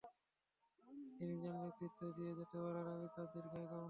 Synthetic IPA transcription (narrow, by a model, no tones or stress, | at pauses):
t̪inid͡ʑannet̪ɾit̪ːod̪ijed͡ʑet̪ebaɾaɾalit̪ad̪eɾɡʱajɡa